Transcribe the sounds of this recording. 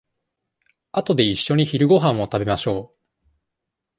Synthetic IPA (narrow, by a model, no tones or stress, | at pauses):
at̪o̞d̪e̞iɕːo̞ɲ̟içiɾɯ̟ɡo̞ɦãɰ̃o̞t̪abe̞maɕo̞ː